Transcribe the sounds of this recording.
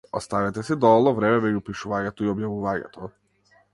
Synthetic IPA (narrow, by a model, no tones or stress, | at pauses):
ɔst̪avɛt̪ɛsid̪ɔlˠɔvɾɛmɛmɛɟupiʃuvaɲɛt̪ɔiɔbjavuvaɲɛ̰t̪ʰɔ